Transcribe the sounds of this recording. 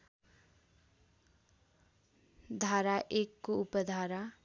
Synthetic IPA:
d̪ʱaɾaʔekːoupʌd̪ʱaɾa

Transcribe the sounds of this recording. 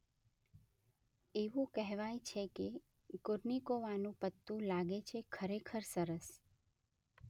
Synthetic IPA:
eʋũkɛɦʋajt͡ʃʰeke | kʊɾnikoʋanũpət̪ːũlaɡet͡ʃʰekʰəɾekʰəɾsəɾəs

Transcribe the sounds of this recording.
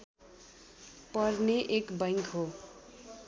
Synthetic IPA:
pʌrneʔekbʌjŋkʰɦo

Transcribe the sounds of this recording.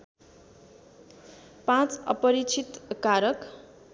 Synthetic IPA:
pãt͡sʌ̰pʌɾit͡sʰit̪kaɾʌk

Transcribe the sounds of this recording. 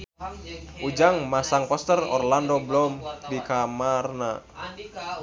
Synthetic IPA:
ʔud͡ʒaŋmasaŋpɔst̪ərɔ̰rlandɔblɔmdikamarna

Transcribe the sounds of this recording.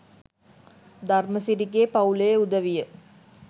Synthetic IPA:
d̪ʱarməsiɾiɡeːpɐulejeud̪ɐʋijə

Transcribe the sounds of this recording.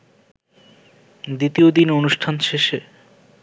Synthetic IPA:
d̪it̪iod̪inonuʃʈʰanʃeʃe

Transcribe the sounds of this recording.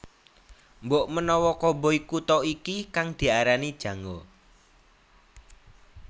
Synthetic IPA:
mboʔmənɔwɔkɔboikut̪ɔikikaŋd̪̥i̤aɾanid̥ʒ̥ä̤ŋɔ

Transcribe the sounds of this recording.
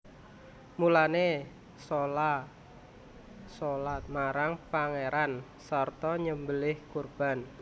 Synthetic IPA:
mulane | sola | solat̪̚maɾaŋpaŋeɾan | sərt̪ɔɲəmbəlɪhkurb̥a̤n

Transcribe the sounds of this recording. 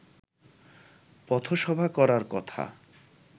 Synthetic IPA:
pɔt̪ʰoʃɔbʱakɔɾaɾkɔt̪ʰa̰

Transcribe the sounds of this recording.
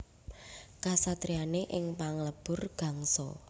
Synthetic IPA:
kasat̪ɾianeʔɪŋpaŋləb̥ʊ̤rɡ̥a̤ŋsɔ̰

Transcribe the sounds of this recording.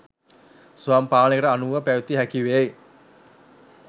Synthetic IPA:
suaːmpaːnekəʈəanuʋapæʋit̪iɦækiʋej

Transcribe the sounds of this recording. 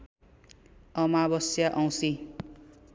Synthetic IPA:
ʌmabʌsjaʔʌw̃si

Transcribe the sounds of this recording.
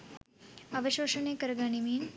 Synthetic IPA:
ɐʋɐʃoːʂɐneːkɐɾɐɡaːnimiːn

